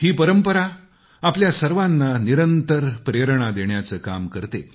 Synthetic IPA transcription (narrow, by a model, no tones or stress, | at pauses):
hiːpəɾəmpəɾa | apljasəɾʋanːaniɾənt̪əɾpɾeɾɳ̃ad̪eɳjat͡səːkamkəɾt̪e